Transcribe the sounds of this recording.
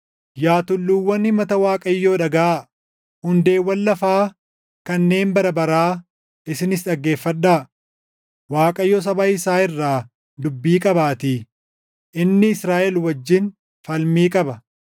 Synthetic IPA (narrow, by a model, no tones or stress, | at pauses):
jaːt̪ʊlːuːwːɐnːɪmɐt̪ɐwaːkʼɐjːoːᶑɐɡɐʔa | hʊnd̪e̞ːwːɐlːɐfaː | kɐnːe̞ːmbɐɾɐbɐɾaː | ʔɪsɪnɪs̬ᶑɐɡːe̞ːfːɐᶑːaː | waːkʼɐjːɔs̬ɐbaɪsaːɪrːaː | d̪ʊbːiːkʼɐbaːt̪iː | ʔɪnːɪɪsɾaːʔɛlwɐd͡ʒːɪn | fɐlmiːkʼɐbɐ